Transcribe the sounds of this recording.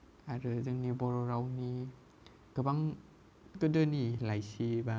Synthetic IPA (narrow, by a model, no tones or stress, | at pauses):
aɾɯzɯŋnibɔɾɔɾawni | ɡ̥ɯbaŋ | ɡɯdɯnilajsiba